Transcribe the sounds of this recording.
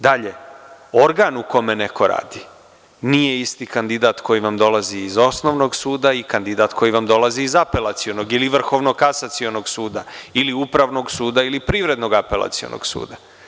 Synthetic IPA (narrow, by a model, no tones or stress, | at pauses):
d̪aʎe̞o̞ɾɡaːnuko̞me̞ne̞ko̞ɾa̰ːd̪i | nije̞ist̪ikand̪id̪aːt̪ko̞jiʋamd̪o̞laziːzo̞sno̞ʋno̞ɡsuːd̪aikand̪id̪aːt̪ko̞jiʋamd̪o̞laziːzape̞lˠat̪sio̞no̞ɡiliʋr̩xo̞ʋno̞kasat̪sio̞noɡsuːd̪ailiupɾaʋno̞ɡsuːd̪ailipɾiːʋɾe̞d̪no̞ɡape̞lˠa̰t̪sio̰nʔo̰ɡ̥sṵːd̪a